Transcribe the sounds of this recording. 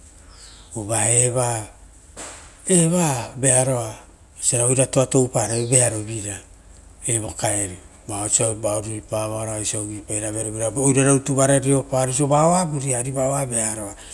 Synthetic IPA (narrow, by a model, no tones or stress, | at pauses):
uβaeβa | eβabe̞aɾo̞a | saɾaojɾatoato̞wpaɾebeaɾo̞biɾa | ebokaeɾi | baosiabaoɾuɾipaβaɾoasaɡipajɾabeaɾobiɾaojɾaɾautuβaɾaɾio̞paɾisobaoabuɾiaɾibaoabe̞aɾo̞a